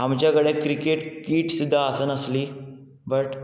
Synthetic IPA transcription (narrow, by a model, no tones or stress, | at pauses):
ɦamt͡ɕjakəɽẽkɾikeʈkiːʈsid̪ʱːaːsənəsliː | bəʈ